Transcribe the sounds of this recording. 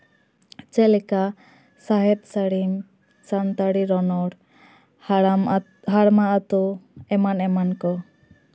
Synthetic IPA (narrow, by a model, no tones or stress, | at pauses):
t͡ʃɛlɛka | saɦɛt̪̚saɽim | sant̪aɽiɾɔnɔɽ | ɦaɽmaat̪uɛmanɛmankɔ